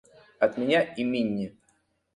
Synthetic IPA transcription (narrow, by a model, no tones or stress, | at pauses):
ɐt̪mʲɪnʲaɪmʲinʲːɪ